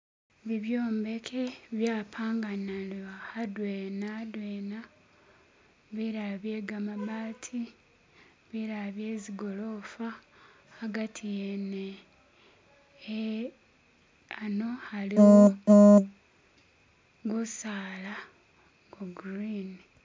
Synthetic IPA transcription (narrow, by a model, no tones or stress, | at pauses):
βiβjoːmbe̞kʰeβjaːpʰaːŋɡanalahadweːnadweːna | βiɾaβje̞ːɡamaβaːtʰi | βiɾaβje̞ːziɡo̞lo̞ːfahːɡatʰijene | ano̞halio | ɡusaːla | ɡoɡuɾini